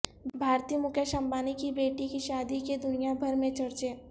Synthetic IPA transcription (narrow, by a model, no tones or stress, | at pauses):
bʱaːɾt̪ijəmʊkʰjəʃə̃mbaːnikibeːʈikiʃaːd̪iked̪ʊnijabʱɐɾmẽt͡ʃɐɾt͡ʃeː